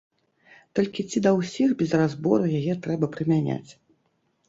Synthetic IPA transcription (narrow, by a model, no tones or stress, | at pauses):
t̪ɔlʲkʲit͡sʲid̪ɐwsʲixbʲɛzrazbɔɾujajɛt̪ɾɛbɐpɾɨmʲanʲa̰t͡sʲ